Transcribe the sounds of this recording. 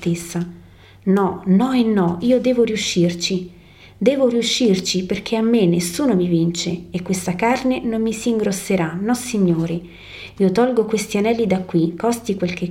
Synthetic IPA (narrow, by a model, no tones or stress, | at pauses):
t̪esːa | nɔnɔenːɔiːod̪ɛːvoɾiuʃːirt͡ʃi | d̪ɛːvoriuʃːirt͡ʃiperk̟ʰeamːenːesːuːnomivint͡ʃeːkːwest̪akarnenomːisiːŋɡɾosːeɾanɔsːiɲːoːɾe | iːot̪ɔlɡokwest̪ianɛlːid̪akːwikːɔst̪ikwelke